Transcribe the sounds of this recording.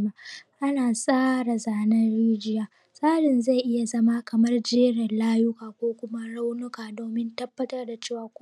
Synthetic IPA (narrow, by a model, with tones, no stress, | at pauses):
ma˦ʔa˦naː˨sʼaː˦ɽa˨zaː˨nɐ˦nɽiː˦d͡ʒɪ˦jaː˨ | sʼaː˦ɽɪ˨nza˦˨jʔɪ˦ja˨zɐ˦maː˦kʰɐ˨mɐ˦rd͡ʒeː˦ɽɐ˨nlaː˦jʊ˦kaː˨kʷoː˦kʷʊ˦ma˦ɽa˦wnʊ˦kaː˨doː˨mɪ˦ntɐ˦bːɐ˦tɐ˦rda˨t͡ʃeː˦˨waː˨kʷ